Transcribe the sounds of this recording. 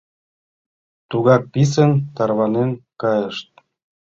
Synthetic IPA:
t̪uɣɑk̚pis̬ənt̪ɑrβɑnenkɑjəʃt̪̚

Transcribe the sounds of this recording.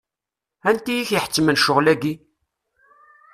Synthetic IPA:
ænt̪ijiçəħə̥t͡sːmənʃʊʁlæɡi

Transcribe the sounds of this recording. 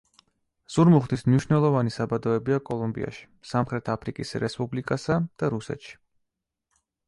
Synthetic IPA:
z̥uɾmuχd̪ismniʃnɛlˠɔvanisabad̪ɔɛbiakʼɔlˠɔmbḭa̰ʃi̥samχɾɛt̪ʰapʰɾikʼisɾɛspʼublikʼasad̪̥aɾusɛ̰t̪ʃi̥

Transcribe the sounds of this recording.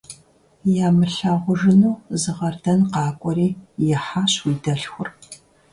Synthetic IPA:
jaːmɨɬɐʁʷʊʐɨnuːzɨʁɐrdɐnqɑːkʷʼɔɾiːjɛħaːɕwiːdɐɬxʷʊr

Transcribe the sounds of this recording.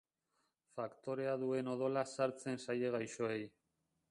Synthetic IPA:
fakt̪o̞ɾe̞aðue̞no̞ð̞o̞lasaɾt͡se̞nsaje̞ɣajʃo̞e̞j

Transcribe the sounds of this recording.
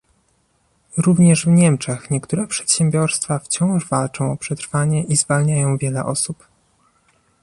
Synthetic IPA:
ɾuvɲɛʐvɲɛmt͡ʂɛxɲɛkt̪uɾɛpʂɛ̥t̪ɕɛmbʲjɔɾst̪faft͡ɕɔ̃w̃ʐvalt͡ʂɔ̃w̃ɔpʂɛt̪ɾfaɲɛʔizvalɲajɔ̃w̃vʲjɛlɛʔɔsup

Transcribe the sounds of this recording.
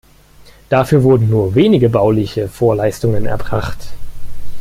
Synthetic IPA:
d̥afyːɐvʊɐdn̩nuːɐveːnɪɡəbaʊlɪçəfoːɐlaɪstʊŋənɛ̰ɐbʁa̰χt

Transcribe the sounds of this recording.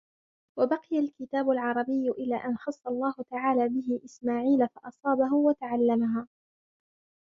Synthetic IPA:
wabɑqɪjalkɪt̪aːbʊlʕɑɾˤɑbɪjːʊʔɪlaːʔanxɑsˤːɑlˤːɑːhʊt̪aʕaːlaːbɪɦɪʔɪsmaːʕiːlafɑʔɑsˤɑːbaɦʊwat̪aʕalːamaɦaː

